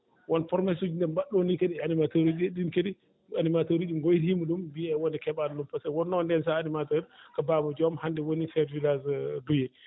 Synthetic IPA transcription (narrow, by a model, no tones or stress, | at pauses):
wɔnfɔɾmɛsud͡ʒindɛnbaɗːonikeɗianimatoɾid͡ʒɗinkedi | animatoɾiɗumɡojthimuɗumbiɛwɔndɛkɛɓannumpasɛwɔnːɔndɛns̬aanimatoɾikababɔd͡ʒɔmhandɛwonisɛɾvilazdujɛ